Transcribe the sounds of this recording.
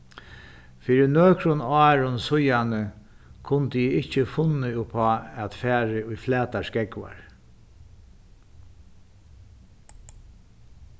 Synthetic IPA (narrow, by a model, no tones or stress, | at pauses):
fiːɾɪnøːkɾʊnaːɹʊnsʊjanə | kʰʊnt̪ɪjɪɪht͡ʃːɪfʊnːɪʊpʰɔːɛt̪fæːɾɪʊjflɛːt̪askɛkʋa̰ɹ